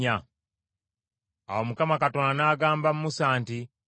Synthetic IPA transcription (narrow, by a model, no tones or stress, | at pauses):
a | a̰womukamakato̞ːnanaːɡaːmbamumusaːnti